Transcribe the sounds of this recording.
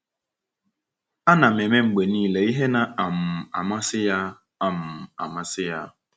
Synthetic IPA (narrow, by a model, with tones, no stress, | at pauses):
a˦na˨me˨me˦ŋ͡m̩˨ɡ͡be˨niː˦le˨˦i˦ɦe˦na˨a˨m̩˨a̰˨ma˦sɪ˦ja˦ | a˦m̩˨a̰˨ma˦sɪ˦ja˦